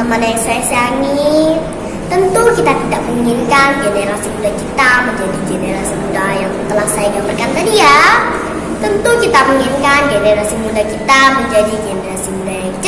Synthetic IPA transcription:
əmadaŋsajasaŋi | t̪ənt̪ukit̪at̪idaʔməmiŋinkanɡeneɾasimudakit̪aməɲd͡ʒadiɡeneɾasimudajaŋt̪əlahsajaɡamərkankanija | t̪ənt̪ukit̪amiŋinkanɡeneɾasimudakit̪aməɲd͡ʒadiɡeneɾasimuda

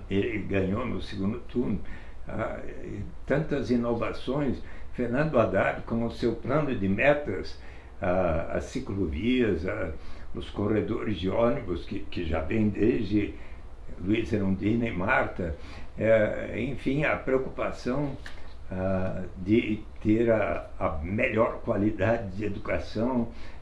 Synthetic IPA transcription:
elɪɡɐ̃ɲonʊsɪɡũnd̪ʊt̪ʰuɾn | a̰ | t̪ɐ̃nt̪ɐzĩnovasõj̃sfeɾnɐ̃nd̪ʊad̪aɾkõʊsewplɐ̃nʊd̪ɪmɛt̪ɐs | aɐ̰sikloviɐzaʊskored̪oɾɪzd͡ʒ̪ɪõnibʊskɪkɪʒa̰vẽj̃d̪ezd͡ʒɪ | luizɛɾũd̪iznejmaɾt̪ɐ | ɛḛ̃fĩj̃ɐpɾeokupasɐ̃w̃ad̪ɪt̪eɾɐɐmeʎɔɾkwalid̪ad͡ʒɪd̪ɪed̪ukasɐ̃w̃

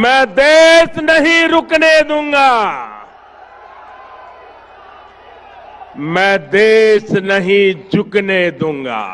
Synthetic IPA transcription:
mɛ̃ːd̪eːsnəɦĩɾʊkneːd̪ũːŋɡaː | mɛ̃ːd̪eːsnəɦĩːd͡ʒʊkneːd̪ũːŋɡa̰ː

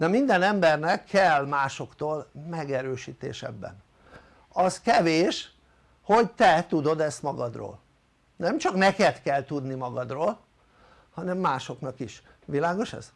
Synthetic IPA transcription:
d̪ɛmind̪ɛnɛmbɛrnɛkʰːɛlmaːʃo̞kt̪oːlmɛɡɛɾøːʃiːt̪ḛːʃɛ̰bːɛ̰n | ɒzkɛveːʃ | ho̞ɟt̪ɛt̪ud̪o̞d̪ɛst̪mɒɡɒd̪ro̰ːl | nɛmt͡ʃɒknɛkɛt̪kɛlt̪ud̪nimɒɡɒd̪roːl | hɒnɛmːaːʃo̞knɒkiʃ | ʋilaːɡo̞ʃɛ̰z̥

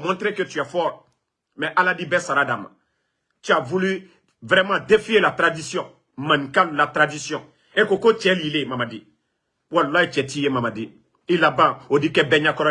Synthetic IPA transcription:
mɔ̃tɾekøtiafɔɾ | mɛʔaladĩbɛsaɾadãmã̰ | tyavuly | vɾɛmãdẽfielatɾadisjɔ̃ | mãnĩkãlulatɾadisjɔ̃ | ekokot͡ʃɛliilemamadĩ | walolajet͡ʃɛtijemamadĩ | ilabãodĩkɛbɛɲãkɔɾɔ

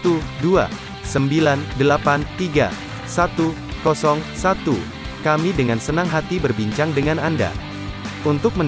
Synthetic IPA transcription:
t̪udua̰ | səmbilandəlapant̪iɡa̰ | sat̪u | kɔsɔŋsat̪ṵ | kamidəŋansənaŋɦat̪ibərbiɲt͡ʃaŋdəŋananda̰ | unt̪ʊk̚mən

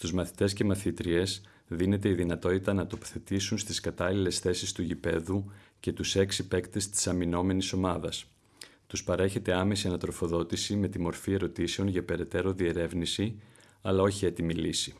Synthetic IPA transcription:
st̪uzmɐθi̥t̪e̞sce̞mɐθit̪ɾie̞s | ðine̞t̪e̞iðinɐt̪o̞t̪it̪ɐnɐt̪o̞po̥θe̞t̪isunst̪iskɐt̪ɐlile̞sθe̞sist̪uʝipe̞ðuce̞t̪use̞ksipe̞kt̪e̞st̪i̥sɐmino̞me̞niso̞mɐðɐs | t̪uspɐɾe̞çe̞t̪e̞ɐme̞siɐnɐt̪ɾo̞fo̞ðo̞t̪isime̞t̪imo̞ɾfie̞ɾo̞t̪ise̞o̞nʝɐpe̞ɾe̞t̪e̞ɾo̞ðie̞ɾe̞vnisi | ɐlɐo̞çie̞t̪imilisi

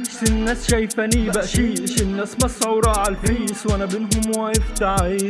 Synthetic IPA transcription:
sɪnːaːsʃajfanibaʔʃiːʃɪnːæsmasˤɑwɾˤɑːʕalfɾiːswʔanabɪnɦʊmwajɪft̪aʕ

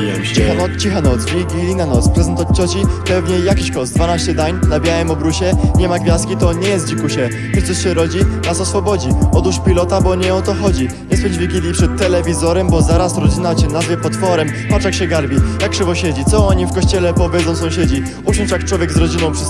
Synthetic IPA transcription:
ɛ | t͡ɕixanɔt͡ɕixanɔt̪zvʲiɡʲilʲinanɔt̪spɾɛzɛnt̪at͡ɕɔt͡ɕipɛvɲɛjakʲiɕkɔst̪d̪vanaɕt͡ɕɛd̪aɲnabʲjawɛmɔbɾuɕɛɲɛmaɡvʲjaskʲit̪ɔɲɛjɛst̪̚d͡ʑikuɕɛ | ɛt̪sɔɕɛɾɔd͡ʑinasɔsfɔbɔd͡ʑiɔt̪uʂpʲilɔt̪abɔɲɛɔt̪ɔxɔd͡ʑi | ɲɛspɔɲd͡ʑvʲiɡʲilʲjipʂɛt̪ːɛlɛvʲizɔɾɛmbɔzaɾasɾɔd͡ʑinat͡ɕɛnazvʲjɛpɔt̪fɔɾɛm | pat͡ʂakɕɛɡaɾbʲij̪akkʂɛvɔɕɛd͡ʑit̪sɔɔɲifkɔɕt͡ɕɛlɛpɔvʲjɛd̪zɔw̃sɔ̃w̃ɕɛd͡ʑi | uʂɔnʂjak̚t͡ʂwɔvʲɛɡzɾɔd͡ʑinɔ̃w̃pʂɨ

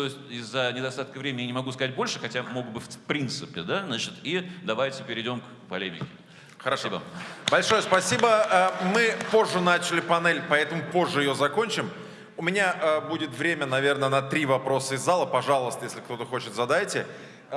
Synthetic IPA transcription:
t̪oɪsʲtʲɪzːənʲɪd̪ɐst̪at̪kəvɾʲemʲɪnʲjanʲɪmɐɡuskɐzat̚ʲbo̞lʲʂɨxɐtʲamoɡd̪bɨfʲpɾʲint̪sɨpʲɪd̪aznat͡ɕɪt̪id̪ɐvajtʲɪpʲɪɾʲɪdʲo̞mk | pɐ̰lʲemʲɪ̰kʲɪ | xəɾɐsibə̰bɐlʲʂo̞jəspɐsʲibəəmɨpo̞ʐːənat͡ɕɪlʲɪpɐnɛlʲpɐɛt̪əmʊpo̞ʐːɨɪjozɐko̞nʲt͡ɕɪm | ʊmʲɪnʲaʔəbudʲɪt̪vɾʲemʲənɐvʲe̞rnənɐt̪ɾʲivɐpɾo̞səɪzːalˠəpɐʐalˠəst̪əjesʲlʲɪkt̪o̞t̪əxo̞t͡ɕɪt̪zɐd̪ajtʲɪ

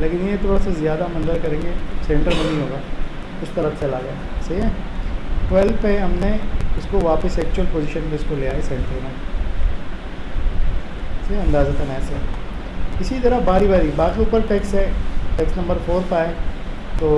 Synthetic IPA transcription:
leːkɪnjet̪ʰoːɽasazɪjaːd̪amɐ̃nzəɾkɐɾẽːŋɡesẽɳʈəɾmẽnɐɦĩɦoːɡaː | kʊt͡ʃʰt̪ɐɾət͡ʃɐlaɡɐjaːsɐɦiɦɛ | ʈʋɛːlpeɦɐmneʊskoʋaːpəsɛːk̚t͡ʃuəlpoːziːʃənmẽʊskolijaɦɛsɛ̃ːɳʈəɾmẽ | sɐiɐ̃nd̪aːzat̪ʰɐnɛsɐɦi | ɪsit̪ɐɾəbaːɾibaːɾibaːkiʊpəɾʈeːksɦɛʈeːksnɐ̃mbəɾfoːɾpaːe | t̪oː

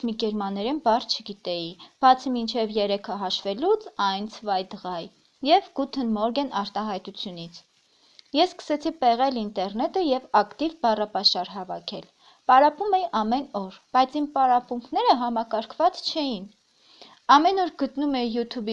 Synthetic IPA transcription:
mikɛɾmɑnːɛɾɛnbɑrt͡ʃʰəɡit̪ɛjib̥ɑt͡sʰəmint͡ʃʰɛvjɛɾɛkʰəɦɑʃvɛlut͡sʰɑjnt͡sʰəvɑjd̪əʁɑj | jɛvɡ̥ut̪ʰənmɔɾɡɛnɑɾt̪ɑɦɑjt̪ut͡sʰjunit͡sʰ | jɛsːkə̥sɛt͡sʰipɛʁɛlint̪ɛɾnɛt̪əjɛvɑkt̪ivbɑrɑpɑʃɑɾɦɑvɑkʰɛl | pɑɾɑpumɛjiʔɑmɛnɔɾb̥ɑjt͡sʰimpɑɾɑpuŋkʰnɛɾəɦɑmɑkɑɾkʰvɑt͡st͡ʃʰɛjin | ɑmɛnɔɾɡ̥ət̪numɛːut̪ʰub

